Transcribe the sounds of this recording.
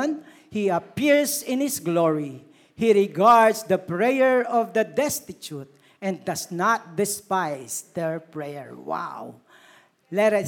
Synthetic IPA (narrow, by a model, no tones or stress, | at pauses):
n | hiɐpiɹsɪ̃nhɪsɡlɔɹi | hiɹɪɡaɹd̪sd̪ɐpɹejɛɹɔvd̪ɐd̪ɛst̪ɪt͡ʃut̪̚ | ɛ̃nd̪ɐsnat̪̚d̪ɪspajsd̪ɛɹpɹɛjɛ̰ɹwa̰w | lɛɾ